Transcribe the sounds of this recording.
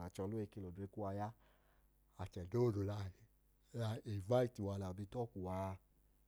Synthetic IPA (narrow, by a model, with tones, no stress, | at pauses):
a˨t͡ʃɔ˧lo˦e˧ke˧lo˨de˨˦ku˦a˧ja˦ | a˨t͡ʃɛ˨do˦˨do˨la˧˨ | a˧e˨va˦i˦˨ti˨wa˧la˨bi˧˦tɔ˦ku˨wa˧